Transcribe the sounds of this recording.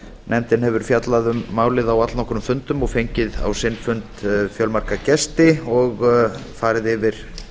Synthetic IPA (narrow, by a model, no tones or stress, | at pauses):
nʔɛmt̪ɪnhɛvʏɾ̥fjat̪laðʏmːaːwlɪðawat̪lnɔhkʏɾʏmfʏnt̪ʏmɔɣfejɲcɪða̰wsɪnfʏnt̪fjœlmaɾ̥kacɛst̪ɪɔɣfaːɾɪðɪvɪɾ̥